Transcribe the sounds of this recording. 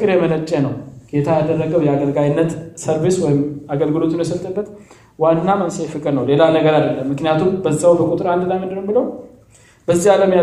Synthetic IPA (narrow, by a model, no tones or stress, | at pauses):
kʼɨɾjɛmələt͡ʃʼːɛnəwɡ̥et̪ʰajad̪ərːəɡəwjɛaɡəlɡajnːət̪səɾβeswɔjɪmaɡəlɡɨlo̞t̪ʰunjɛsət̪ʼːəbːət̪ | wanːamənsəjfɨkʼɨɾnəwle̞lanəɡəɾad̪əlːəmːɨknijat̪ʰumbəzːawbəkʼut̪ʼɨɾand̪lajmɨnd̪ɨnəmbɨləw | bəzːialəmja